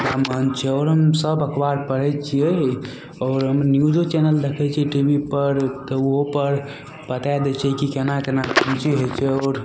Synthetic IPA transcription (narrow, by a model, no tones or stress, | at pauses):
namənt͡ʃʰɛɔːɾɦəmsəbəkʰbaɾpəɾɛt͡ʃʰijɛ | ɔːɾɦəmnjud͡ʒot͡ʃɛnəld̪ekʰɛt͡ʃʰiɛʈibʱipəɾt̪ɔoɦopəɾ | pət̪ajd̪ɛt͡ʃʰɛkikenakenakəmt͡ʃiɦot͡ʃʰɛɔːɾ